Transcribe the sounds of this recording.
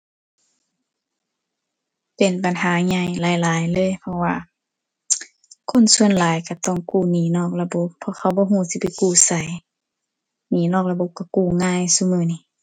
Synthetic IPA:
pe˨nba˨nɦaː˨˦ɲa˧˩jlaː˨˦jlaː˨˦jlɤː˧˥˨jpʰɔ˧wa̰ː˧ | kʰo˧˥˨nsu˧ənlaː˨˦jka˧˩t̪ɔ˧˩˨ŋkuː˧˩niː˨˦nɔː˧˩k̚la˧bo˧˦p̚ʰːɔ˧xʰa˧˩wbɔː˧˦ɦuː˧˨si˧˦pa˨jkuː˧˩sa˨˦j | niː˨˦nɔː˧˩k̚la˧bo˧˦p̚ka˧˩kuː˧˩ŋaː˧˥˨jsuː˧mɯː˧˩ni˧˨

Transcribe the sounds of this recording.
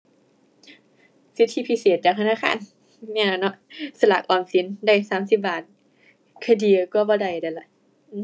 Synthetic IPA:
si˧˦˥t̪ʰːi˧˩pʰi˧˥seː˨˩t̪̚t͡ɕaː˨˩k̚t̪ʰnaː˧˨xʰa̰ː˧˨n | ni˧˩˨a˧˩nɔ˧˥sa˧la̰˨˩k̚ʔɔː˧˩nsi˨˦nda˧˩jsaː˨˦msi˨˧˦p̚baː˨˩t̪̚ | kʰa˧˩di˧˩˧kɔː˧˩bɔː˧˩da˧˩jda˧˩la˧˨ʔ | ʔː

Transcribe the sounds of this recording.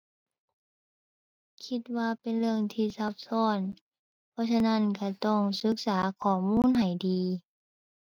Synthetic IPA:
kʰi˧˥t̪̚waː˧pe˨nlɯ˧əŋt̪ʰiː˧˩sa˧˦p̚sɔː˧˥˩n | pʰɔː˧˥sa˧na˧˥˨nka˧˩t̪ɔ˧˩ŋsɯ˧˦k̚saː˩˦kʰɔː˨˩muː˧˥˨nɦa˨˩jdiː˨˧

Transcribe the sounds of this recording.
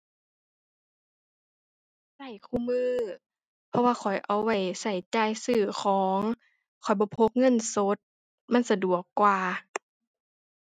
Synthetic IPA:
sa˧˩jkʰuː˧˨mɯː˧˨ | pʰɔ˧waː˧xʰɔ˨˩jʔa˧˩wːa˧˩jsa˧˩jt͡ɕaː˧˨jsɯː˧˩xʰɔː˨˦ŋ | kʰɔ˨˩jbɔː˧˦pʰo˧˥k̚ŋɤ˧˥˨nso˧˦t̪̚ | ma˧˥˨nsa˧du˨˩əkːwaː˧

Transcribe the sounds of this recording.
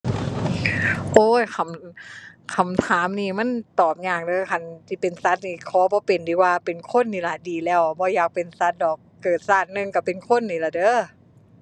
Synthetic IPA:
ʔoː˧˩kʰa˧˩m | kʰa˧˩mt̪ʰaː˨˦mniː˧˩ma˧˥˨nt̪ɔː˨˩p̚ɲaː˧˩k̚dɤː˧˦kʰa˧˥˨nsiː˧˩pe˨nsa˧˦˥t̪̚niː˧˩kʰɔː˨˧˦bɔː˧˦pe˨ndiː˧waː˧pe˨nkʰo˧˥˨nːiː˧la˧˩diː˨lɛː˧˥˩wbɔː˧˦jaː˨˩k̚pe˨˩nsa˧˥t̪̚dɔː˨˩k̚ːkɤː˨˩t̪̚saː˧˩t̪̚nɯ˧ŋka˧˩pe˨nkʰo˧˥˨nːiː˧˩la˧dɤː˧˦˨

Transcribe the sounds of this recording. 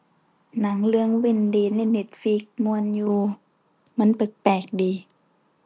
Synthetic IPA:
na˨˦ŋlɯ˧əŋwe˧˨ndiː˨˩na˧˩˨ne˧˩t̪̚fi˧˩k̚mu˧ənjuː˧ | ma˧˥˨npɯ˨˩k̚pɛː˨˩k̚diː˨˦

